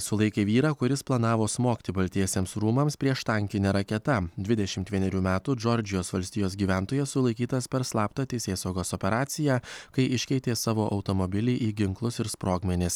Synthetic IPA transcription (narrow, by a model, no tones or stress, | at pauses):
sʊlˠɐɪkʲeːʋʲiːɾɑːkʊɾʲɪsplˠɐnɑːʋoːsmoːkʲt̪ʲɪbɐlʲt̪ʲiɛsʲeːmsɾuːmɐmspʲɾʲiɛʃt̪ɐŋʲkʲɪnʲeɾɐkʲɛt̪ɐd̪ʲʋʲɪd̪ʲɛʃʲɪmt̪ʋʲiɛnʲɛɾʲuːmʲæːt̪uːd͡ʒɔɾʲd͡ʒʲɪjoːsʋɐlʲsʲt̪ʲɪjoːsɡʲiːʋʲæːˑnt̪oːjɛssʊlˠɐɪkʲiːt̪ɐspʲɛɾslˠɑːpt̪ɐt̪ʲɛɪsʲeːsɐʊɡoːsɔpʲɛɾɑːt̪sʲɪjæːkɐɪʔɪʃʲkʲɛɪt̪ʲeːsɑːʋoːʔɐʊt̪oːmɔbʲɪlʲiːʔiːɡʲɪŋklˠʊsɪɾspɾoːɡmʲɛnʲɪs